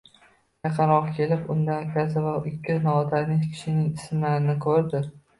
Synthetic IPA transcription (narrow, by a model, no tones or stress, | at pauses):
jaqʰɑɾɒqkʲʰe̞lɪpʊnd̪ankʲʰasavaɪkʲːɪnɒːt̪aɾnɪʃkʲʰɪ̥ʃɪnɪŋɪsɪmlaɾɪnɪkʰɵɾd̪ɪ